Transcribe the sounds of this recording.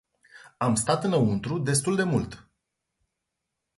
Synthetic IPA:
amst̪at̪ɨnəunt̪ɾud̪e̞s̬t̪uld̪e̞mult̪

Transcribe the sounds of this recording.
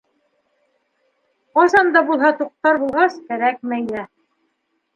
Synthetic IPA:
qɑsɑnd̪ɑbulˠɦɑt̪uq̚t̪ɑɾbulˠʁɑskæɾækmæjlæ

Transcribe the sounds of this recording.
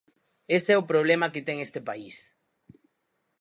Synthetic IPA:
esɛʊpɾoβ̞lemakɪt̪ɛŋest̪epais

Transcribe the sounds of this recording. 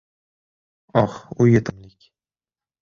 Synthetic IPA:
ɒχʊjet̪ʰɪmlɪkʲ

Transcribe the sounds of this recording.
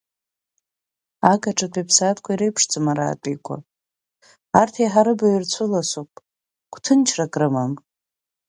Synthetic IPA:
akʼaʈ͡ʂʰʼatʰʼipʰsatʰkʷʰaiɾejpʰʂt͡sʼɨmaɾa̰ːtʼijkʷʰa̰ | artʰiħaɾɨbairt͡sʷʰʊlasupʼ | kʷʰʼtʰɨnt͡ʃʰrakʼrɨman

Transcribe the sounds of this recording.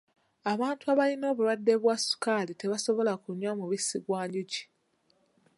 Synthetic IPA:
aβaːntuaβalino̞ːβuɾwadːeβwasu̥kalite̞βaso̞βo̞lakuɲwamuβisiɡwaːɲɟuɟi̥

